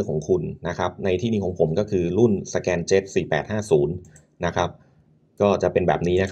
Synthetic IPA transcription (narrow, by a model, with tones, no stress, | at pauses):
kʰɔː˩˦ŋkʰu˧nːa˦˥kʰɾa˦˥p̚na˧jt̪ʰiː˥˩niː˧˥kʰɔː˩˦ŋpʰo˩˦mkɔː˥˩kʰɯː˧ɾu˥˩nsa˧kɛː˧nt͡ɕeː˦˥p̪̚siː˨˩pɛː˨˩t̪̚haː˥˩suː˩˦n | na˦˥kʰɾa˦˥p̚ | kɔː˥˩t͡ɕa˨˩pe˧nbɛː˨˩p̚niː˦˥na˦˥kʰ